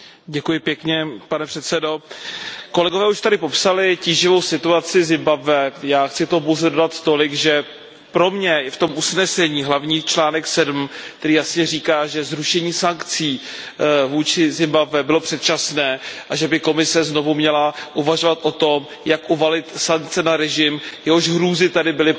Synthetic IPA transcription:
ɟɛkujɪpjɛkɲɛpanɛpr̥ɛt̪sɛdo̞ | ko̞lɛɡo̞vɛːuʃt̪adɪpo̞psalɪciːʒɪvo̞wsɪt̪uat͡sɪzɪmbabvɛjaːxt͡sɪt̪opowzɛdodat̪ːo̞lɪɡʒɛ | pɾo̞mɲɛft̪o̞mʔusnɛsɛɲiːɦlavɲiːt͡ʃlaːnɛksɛdm̩kt̪ɛɾiːjasɲɛriːkaːʒɛzɾuʃɛɲiːsaŋkt͡siː | vuːt͡ʃɪzɪmbabvɛbɪlo̞pr̥ɛt̪̚t͡ʃasnɛːʔaʒɛbɪko̞mɪsɛzno̞vumɲɛlaʔuvaʒo̞vat̪ʔo̞t̪o̞m | jakʔuvalɪt̪saŋk̚t͡sɛnaɾɛʒɪmjɛɦo̞ʒɦɾuːzɪt̪adɪbɪlɪ

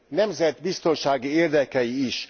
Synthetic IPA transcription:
nɛmzɛd̪bist̪o̞nʃaːɡieːrd̪ɛkɛjiːʃ

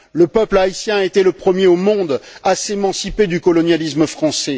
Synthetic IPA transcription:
ləpœplaisjɛ̃aet̪ɛləpχəmjeomɔ̃d̪asemɑ̃siped̪ykɔlɔnjalisməfχɑ̃sɛ

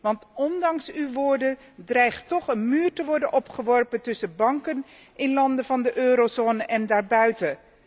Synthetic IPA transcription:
ʋɑntɔndɑŋsywʋoːɹdə | drɛjχtɔχənmyːɹtəʋɔɹdənʔɔpχəʋɔɹpəntɵsəbɑŋkən | ʔɪnlɑndəvɑndəʔøːɾozoːnəʔɛndaːɹbœɥtə

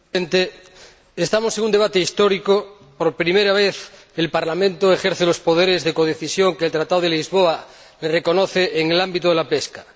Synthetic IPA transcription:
ent̪eː | st̪amoseŋund̪e̞βat̪eist̪oɾiko | poɾpɾimeɾaβ̞eθ | elpaɾlamẽnt̪oexeɾθelospoð̞eɾezðekoð̞eθisjo̞ŋkeːlt̪ɾat̪aðoðelizβoa | lereko̞noθeʔːŋelambit̪oðelapeska

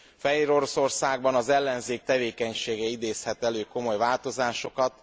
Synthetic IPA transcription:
fɛɦeːɾo̞ɾo̞so̞rsaːɡbɒnɒzɛlːɛnzeːk̚t̪ɛveːkɛɲʃeːɡɛid̪eːshɛt̪ɛløːko̞mo̞jvaːlt̪o̞zaːʃo̞kɒt̪

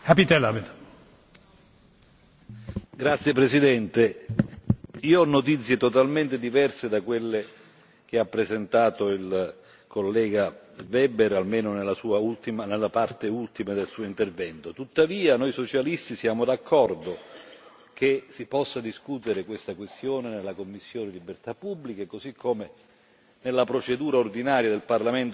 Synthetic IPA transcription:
kapit̪ɛlabed̪ | ɡɾat̪sːjepɾesid̪ɛnt̪e | iːoɔnːot̪̬it̪sːjet̪ot̪alment̪ed̪ivɛrsed̪akwelːe | k̟eapːɾezent̪aːt̪oil | kʰolːɛːɡa | vɛbeɾalmeːnonelːasuːault̪imanelːapart̪eult̪imed̪elsuːoint̪ervɛnt̪ot̪ut̪ːaviːanojsot͡ʃalist̪isjaːmod̪akʰːɔrd̪o | kesipɔsːad̪iskut̪eɾekwest̪akwest̪joːnenelːakomːisːjoːnelibert̪apːubːlikekozikʰːome | nelːapɾot͡ʃed̪uːɾaord̪inaːɾjad̪elparlament̪

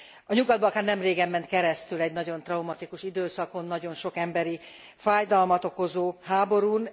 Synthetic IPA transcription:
ɒɲuɡɒd̪̚bɒɒkaːrnɛmreːɡɛmːɛnt̪kɛɾɛst̪ylɛɟnɒɟo̞nt̪rɒumɒt̪ikuʃid̪øːsɒko̞nːɒɟo̞nʃo̞kɛmbɛɾi | faːjd̪ɒlmɒt̪o̞ko̞zoːɦaːbo̞ɾun

